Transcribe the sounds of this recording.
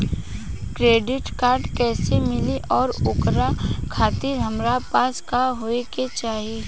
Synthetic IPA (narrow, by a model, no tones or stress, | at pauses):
kɾeːɖɪʈkaːɾɖkɛːsemɪliʔɔːɾʊkɾakʰaːt̪ɪɾɦɐmɾapaːskaɦoːeket͡ʃaːɦi